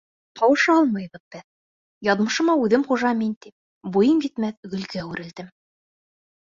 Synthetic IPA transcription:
q̪ɑwɤ̆ʃɑɑlˠmɤjβɤ̆ðbɘð | jɑðmɤ̆ʃɤ̆mɑʉðɘmχuʒɑmint̪ip̚ | bujɤmjit̪mæθɡɵ̆lɡæʉɾɘ̆ld̪ɘm

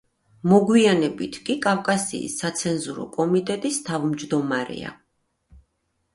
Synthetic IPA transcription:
mɔɡwianɛbit̪ʰkʼikʼafkʼasḭːsːat̪sʰɛnzuɾɔ̰kʼɔmit̪ʼɛt̪ʼist̪ʰavmd͡ʒd̪ɔmaɾɛ̰a̰

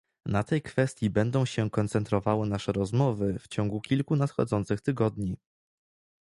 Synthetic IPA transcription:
nat̪ɛjkfɛst̪ʲjibɛnd̪ɔ̃w̃ɕɛkɔnt̪sɛnt̪ɾɔvawɘnaʂɛɾɔzmɔvɘft͡ɕɔŋɡukʲilkunat̪xɔ̰d̪zɔnt̪sɘxt̪ɘɡɔd̪ɲi

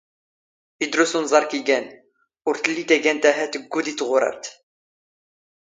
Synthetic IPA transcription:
id̪ɾʊsunzˤɑɾˤkiɡæn | ʊɾt̪əlːit̪æɡænt̪æɦæt̪əɡːud̪it͡sːʁʊɾˤə̰ɾt̪

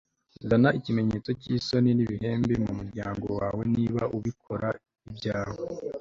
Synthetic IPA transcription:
zanaʔicime̞ɲe̞ːt͡so̞ciːso̞niniβihe̞ːmbemumuɾɟaːŋɡo̞waːwe̞niːβaʔuβikʰo̞ɾa | ibjaːho

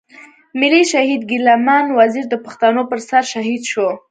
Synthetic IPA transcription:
mɪliʃahid̪ɡɪlamanwaziɾd̪əpaxt̪anopəɾsaɾʃaɦid̪ʃo

